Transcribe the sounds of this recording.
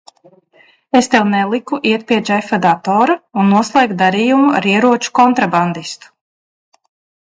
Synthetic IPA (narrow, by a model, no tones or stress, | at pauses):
est̪ɛwnɛlˠikuʔiɛt̪̚pʲiɛd͡ʒɛjfad̪at̪ɔːɾaunːuɔslˠɛːɡd̪aɾiːjumua̰ɾiɛɾuɔt͡ʃu̥kɔnt̪ɾaband̪ist̪u̥